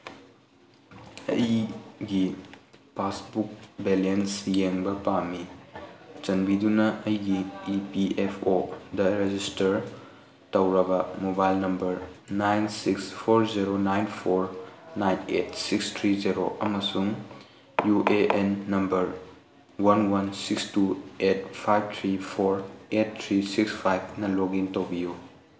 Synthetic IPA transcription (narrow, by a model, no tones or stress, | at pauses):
ɐ̰jɡipʰasbuk̚belensjeŋbɐpami | t͡ʃɐnbidunɐʔɐjɡiipiepʰodɐɾed͡ʒistɐɾ | tɐwɾɐbɐmobajlnɐmbɐɾnajnsikspʰoɾziɾonajnpʰoɾnajnet̚sikstʰɾiziɾoʔɐmɐsuŋ | juʔeʔenːɐmbɐɾ | wɐnwɐnsikstuet̚pʰajb̚t̪ʰɾipʰoɾet̚t̪ʰɾisikspʰajb̚ʰnɐloɡintɐwbiju